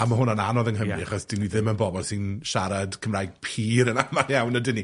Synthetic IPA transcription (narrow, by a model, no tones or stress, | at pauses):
amaɦʊnananɔðənɦəmiaχɔsd̥iniðɪmənbɔbɔlˠsɪnʃaɾad̥kʰəmrajɡ̥̚pʰiːɾənamalˠjawnadɪni